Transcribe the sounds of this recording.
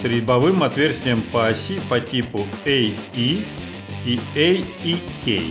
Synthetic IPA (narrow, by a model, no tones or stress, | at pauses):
t̪ɾʲɪbɐvɨmɐt̪vʲersʲtʲɪjəmpɐsʲipɐtʲipʊeji | iejikʲḛj